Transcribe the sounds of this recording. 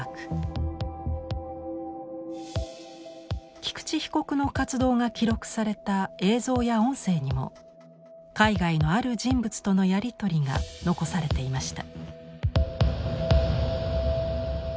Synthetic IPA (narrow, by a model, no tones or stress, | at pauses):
kɯ̥ | kʲi̥kɯ̟̥t͡ɕiçi̥ko̞kɯ̟no̞kat͡sɨd̪o̞ːŋakʲiɾo̞kɯ̟̥saɾe̞t̪ae̞ːzo̞ːjaõ̞ɰ̃se̞ːɲ̟imo̞̰ | kaiɡaino̞aɾɯ̟d͡ʑĩmbɯt͡sɨ̥t̪o̞no̞jaɾʲit̪o̞ɾʲiŋa̰no̞ko̞saɾe̞t̪e̞imaɕi̥t̪a